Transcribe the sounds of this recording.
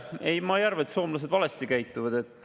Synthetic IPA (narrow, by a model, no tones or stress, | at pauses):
ejmɑejɑrvet̪so̞ːmlɑs̬e̞d̪vɑlest̪ikæjt̪ˑːuvɑd̪̥e̞t̪ːˑ